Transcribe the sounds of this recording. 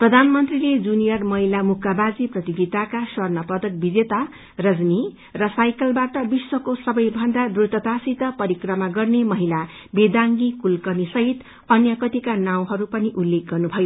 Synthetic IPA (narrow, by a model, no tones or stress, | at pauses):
prʌd̪ʱanmʌnt̪riled͡zunijʌrmʌɦilamukabad͡ziprʌt̪iɡit̪akaswʌrnʌpʌd̪ʌk̚bid͡zet̪a | rʌd͡zmi | rʌsajkʌlbaʈʌbiswʌkosʌbʌjbʱʌnd̪ad̪rut̪ʌt̪asit̪ʌpʌɾikrʌmaɡʌrnemʌɦila | bed̪aŋɡikulkʌnisʌɦit̪ | ʌnjʌkʌt̪ikanaw̃ɦʌɾupʌniʔulːek̚ɡʌrnubʱʌjo